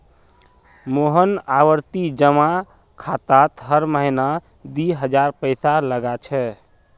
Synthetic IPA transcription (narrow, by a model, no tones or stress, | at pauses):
moɦənaʋəɾt̪id͡ʒəma | kʰat̪at̪ɦəɾməɦina | d̪iɦəd͡ʒaɾpəɪsaləɡat͡ʃʰɛ